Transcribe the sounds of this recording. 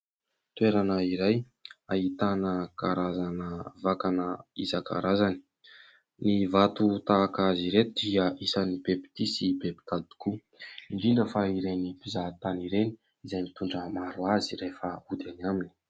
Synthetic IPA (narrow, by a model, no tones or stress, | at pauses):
t̪weɾanəiɾaj | aɦit̪anəkaɾazanəvakanəizaka̰ɾazani̥ | nivat̪ut̪aːkaziɾet̪ud̪̥iəisanibepi̥t̪isibepi̥t̪ad̪i̥ku | iɳɖ͡ʐiɳɖ͡ʐəfaiɾenipizat̪aniɾeni̥ | izajmit̪uɳɖ͡ʐəmaɾuazirefəud̪anamini̥